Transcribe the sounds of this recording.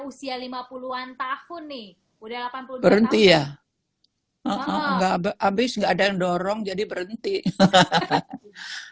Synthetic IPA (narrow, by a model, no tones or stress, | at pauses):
usialimapuluant̪ahʊnːɪh | udalapanpulbəɾənt̪ija | ʔəʔəŋɡababɪsŋɡaːdandɔɾɔŋd͡ʒadibəɾənt̪i